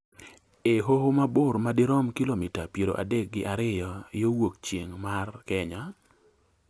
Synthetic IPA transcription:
eɦohomabʊrmadɪɾɔmkilomitapjeɾo̰ʔa̰dek̚ɡɪʔaɾɪjɔjowok̚t͡ʃjḛŋmarkɛɲa

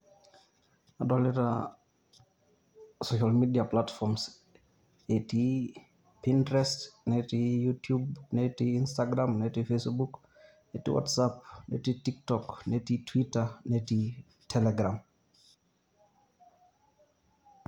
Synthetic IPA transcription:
adɔlɪta̰ | soʃalmidiaplatfɔms | eti | pintɾɛstnɛtijutʰjubnɛtiinstaɡɾamnɛtifesbuk | nɛtḭwʔɔ̰tsap̚nɛ̰titik̚tɔknɛtitʰwitanɛti | tʰɛlɛɡɾam

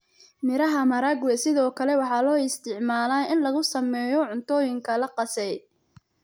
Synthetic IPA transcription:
mɪɾɐɦɐmɐɾɐɡwɛsɪðɔːkʰɐlɛwɑħɑːlɔːɪst̪ʰɪʕmaːlaːʔɪnlɐɣʊsɐmɛːjɔʕʊnt̪ʰɔːjɪŋkʰɐlɐqɑsɛj

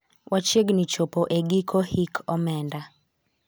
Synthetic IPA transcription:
wʔat͡ʃeɡnit͡ʃɔpɔʔeɡikʰɔhikʰɔmɛnda

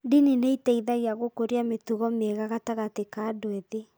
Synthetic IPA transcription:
dinineitɛiðaɣeaɣokoɾiametuɣɔmeɣaɣataɣatekadweðe

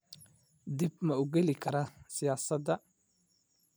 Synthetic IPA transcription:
d̪ɪb̚mɐʊɡɛlɪkʰɐɾɐsɪjaːsɐd̪ɐ

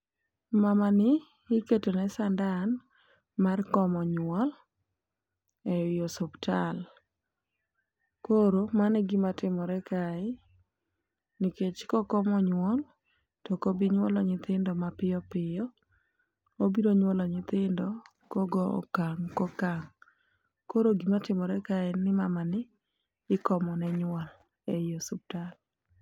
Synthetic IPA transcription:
mamanɪː | ketonɛsandan | markɔmɔɲwɔl | ɛʊjosɔptal | koɾomanɛɡimatɪmɔɾɛkaɪ | niket͡ʃkɔkɔmɔɲwɔl | tɔkobiɲwɔlɔɲɪt̪ɪndɔmapɪɔpɪjɔ | obiɾoɲwɔlɔɲɪt̪ɪndɔ | koɡɔɔ̰kaŋkokaŋ | koɾoɡimatɪmɔɾɛkaɪnɪmamanɪː | kɔmɔnɛɲwɔl | ejosʊp̚tal

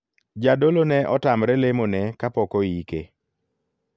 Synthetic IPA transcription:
d͡ʒadolonɛʔɔtamɾɛlemonɛkapɔkɔikḛ

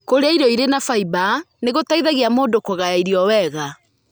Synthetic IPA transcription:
koɾeaiɾɔiɾenafaiba | neɣotaiðaɣiamoːndokoɣajaiɾiɔwɛɣa

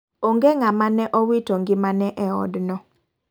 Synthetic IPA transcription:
oŋɡeŋamanɛʔɔwitoŋɡɪmanɛʔɛɔ̰dnɔ

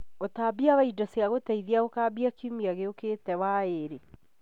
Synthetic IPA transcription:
otaːbiaβaidɔseaɣotaiðiaokaːbiakiumiaɣeokeːtɛwaeɾe

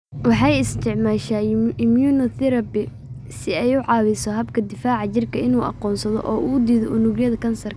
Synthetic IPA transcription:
wɑħɑjɪst̪ʰɪʕmaːʃaːɪmjuːnɔt̪ɪɾɐbɪ | sɪɛjʊʕɑːwɪsɔɦɐbkʰɐd̪ɪfaːʕɑt͡ʃɪrkʰɐɪnuːʔɑ̰qɔːnsɐðɔ̰ʔɔːʔuːd̪iːðɔʔʊnuːɡjɐðɐkʰɐnsɐrk

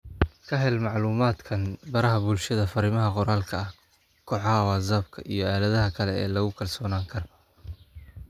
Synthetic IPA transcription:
kʰɐɦɛlmɑʕluːmaːd̪kʰɐnbɐɾɐɦɐbʊlʃɐðɐfɐɾɪmɐɦɐqɔɾaːlkʰɐɐh | kʰɔħɑɦwɑːzaːbkʰɐʔijɞaːlɐðɐɦɐkʰɐlɛɛ̰ːlɐɣʊkʰɐlsɔːnaːŋkʰɐr

